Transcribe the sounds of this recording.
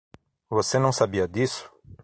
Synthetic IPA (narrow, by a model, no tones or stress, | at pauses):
vosenɐ̃w̃sabiɐd̪isʊ̥